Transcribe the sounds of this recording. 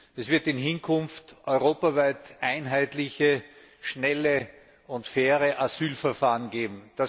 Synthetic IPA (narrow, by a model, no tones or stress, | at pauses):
ɛsv̥ɪɐtɪnɦɪnkʰʊnftʔɔʏʁoːpavaɪtʔaɪnɦaɪtlɪçə | ʃnɛlə | ʊntfɛːʁəʔazyːlfɛɐfaːʁənɡeːbm̩d̥a